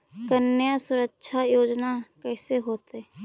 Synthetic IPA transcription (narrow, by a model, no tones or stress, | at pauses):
kənːjasʊɾəkʃʰajoːd͡ʒnakɛːseɦoːt̪e